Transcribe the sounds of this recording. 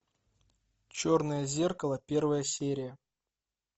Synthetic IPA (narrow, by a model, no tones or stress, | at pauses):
t͡ɕornəjəzʲerkəlˠəpʲervəjəsʲeɾʲɪjə